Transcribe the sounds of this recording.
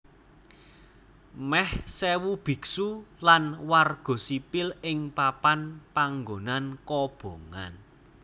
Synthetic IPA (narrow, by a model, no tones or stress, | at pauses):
mɛhsɛwub̥i̤ksulanwarɡ̥ɔ̤sipɪlɪŋpapanpaŋɡonankɔb̥o̤ŋa̰n